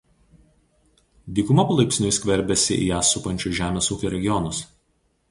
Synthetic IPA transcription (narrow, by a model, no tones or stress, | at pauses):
d̪ʲiːkʊmɐpɐlˠɐɪpʲsʲnʲʊɪsʲkʲʋʲɛɾʲbʲɛsʲɪ̰ʔḭːjæːsʊpɐnʲt͡ʃʲʊʒʲæːmʲeːsuːkʲoɾʲɛɡʲɪjɔnʊs